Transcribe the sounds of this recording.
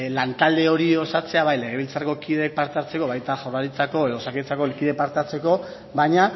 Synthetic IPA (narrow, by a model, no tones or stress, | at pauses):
lant̪ald̪e̞o̞ɾio̞sat͡se̞aβajle̞ɣ̞e̞βilt͡sarko̞kiðek̚paɾt̪at͡se̞ko̞βajt̪axawraɾit͡sako̞eðosaket͡sako̞lkiðe̞paɾt̪at͡se̞ko̞ | βaɲa